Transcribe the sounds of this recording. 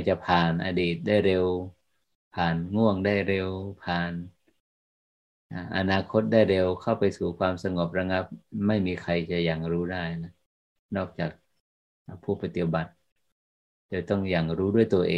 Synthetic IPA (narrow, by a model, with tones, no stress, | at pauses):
jt͡ɕa˧pʰaː˨˩nʔa̰˧deː˨˩t̪̚da˥˩jɾe˧w | pʰaː˨˩nŋu˥˩əŋdaː˥˩jɾe˧wpʰaː˨˩n | ʔa˧˩ʔa̰˧naː˧kʰo˦˥t̪̚daː˥˩jɾe˧wkʰa˥˩wpa˧jsuː˨˩kʰwaː˧msa˧ŋo˧˩p̚ɾa˧ŋa˦˥p̚ma˥˩jmiː˧kʰa˧jt͡ɕa˧˩jaː˨˩ŋɾuː˦˥daː˥˩jna˧˩ | nɔː˥˩k̚t͡ɕaː˨˩k̚ | ʔa˧˩pʰuː˥˩pa˧t̪i˧˩ba˨˩t̪̚ | doː˧jt̪ɔ˥˩ŋjaː˨˩ŋɾuː˦˥du˥˩əjt̪u˧ʔeː˧